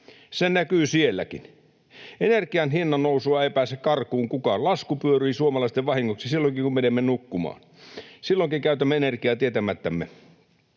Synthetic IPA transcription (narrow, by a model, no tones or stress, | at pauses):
sennækyːsielːæ̰kḭn | enerkiɑnhinːɑnnousuɑepæˑːsekkɑrkuːŋkukɑlɑskupyøɾyisuomɑlɑist̪eʋʋɑhiŋːoksisilːoŋkikummenemːenukːumɑ̰ːn | silːoŋkiŋkæyt̪æmːeenerkiɑːt̪iet̪æmæt̪ːæmːe